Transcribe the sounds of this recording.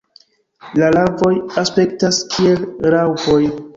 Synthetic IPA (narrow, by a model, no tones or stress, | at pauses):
lalavo̞jaspe̞ktaskʰie̞lɾawpo̞j